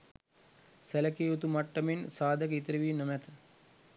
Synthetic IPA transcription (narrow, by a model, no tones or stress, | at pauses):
sɛləkeːut̪umaʈːɐminsaːd̪ʱəkit̪əɾiʋiːnəmɛt̪ʰə̥